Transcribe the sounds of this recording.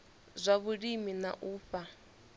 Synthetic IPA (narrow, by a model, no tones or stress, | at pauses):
zʷaβuɺimina̰ʔuːɸa